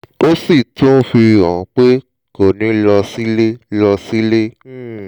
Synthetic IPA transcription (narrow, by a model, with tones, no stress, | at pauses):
o˦si˦˨tũ˦fi˧ɾɔ̃˨˧k͡pe˦ | ko˦˨nĩ˨˦lɔ˧si˦le˦lɔ˧si˦le˦˨